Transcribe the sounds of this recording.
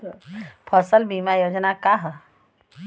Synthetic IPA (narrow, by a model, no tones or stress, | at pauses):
pʰəsəlbimajoːd͡ʒnakaɦ